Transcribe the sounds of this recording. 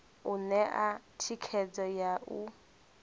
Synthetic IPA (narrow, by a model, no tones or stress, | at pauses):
unɛʔatʰikʰɛd͡zɔjaʔu